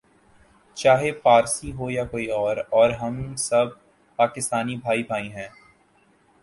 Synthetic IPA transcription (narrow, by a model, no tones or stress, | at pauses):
t͡ʃaːɦepaːɾsiɦojakoːiɔːɾɔːɾɦɐ̃msɐb̚ʱ | paːkɪst̪aːnibʱaːibʱaːĩɦɛ̃ː